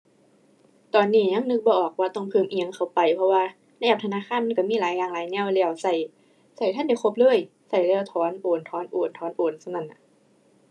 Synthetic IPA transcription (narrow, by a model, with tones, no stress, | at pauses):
t̪ɔː˨˩nːiː˧˥˩ɲa˧˥˨ŋnɯ˧˥k̚bɔː˧ʔɔː˨˩k̚waː˧t̪ɔ˧˩ŋpʰɯː˧˩˨mʔi˧˦ə˨ŋkʰa˧˩wpa˨˩jpʰɔ˧waː˧ | na˧˨ʔɛː˧˩p̚t̪ʰnaː˧˥˨xʰaː˧˥˨nm˧˥˨ka˧˩miː˧˥˨laː˨˦jaː˨˩ŋlaː˨˦jnɛ˧˥˨wlɛ˧˩ə˨wsa˧˨˩j | sa˨˩jt̪ʰa˧˥˨nda˧˩jxʰo˧˥p̚lɯː˧˥˩j | sa˨˩jlɛ˧˨wt̪ʰɔː˨˦nʔoː˨˩nt̪ʰɔː˨˦nʔoː˨˩nt̪ʰɔː˨˦nʔoː˨˩nsa˧˨na˧˩nʔa˧˩